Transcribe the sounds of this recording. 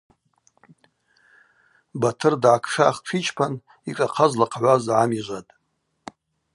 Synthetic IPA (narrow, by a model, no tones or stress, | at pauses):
batʰɨrdʕakʰʂaːχʈ͡ʂʰit͡ʃʰʼpʰan | ikʼaqʰazlaqʰʕʷazʕamiʒʷatʼ